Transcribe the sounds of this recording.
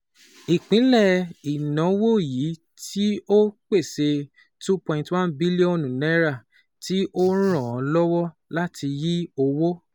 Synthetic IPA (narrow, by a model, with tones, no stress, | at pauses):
i˨k͡pĩ˨˦lɛ˦˨i˨nɔ̃˨˦wo˦˨ji˨˦ | tʰi˦o˦k͡pe˦˨se˧ | tu˦pɔ̃˧ĩ˧ntwã˦nbi˦li˦ɔ̃˦˨nũ˨nɛ˦ɾa˦˨ | ti˦ʔo˦ɾ̃ɔ̃˦˨ɔ̃˨˧lɔ˦wɔ˦ | la˦ti˧ji˦o˧wo˦